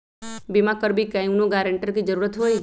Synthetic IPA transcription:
bimakəɾbikãj̃ũnoɡaɾeɳʈəɾkid͡ʒəɾuɾət̪ɦoj

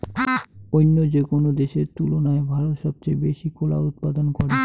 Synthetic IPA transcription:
ojnːod͡ʑekonod̪eʃeɾt̪ulonaebʱaɾot̪ʃɔb̚t͡ɕejbeʃikola̰ut̪̚pad̪onkɔɽe

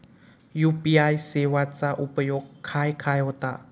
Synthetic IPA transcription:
jupiajsewat͡saʔupəjokʰːajkʰajɦɔt̪a

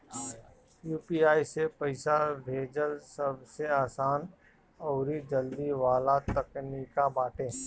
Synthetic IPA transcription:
juːpiːaːisepəɪsabʱeːd͡ʒəlsəbseaːsaːn | ɔːɾid͡ʒəld̪iʋaːlat̪ɐknikabaːʈẽː

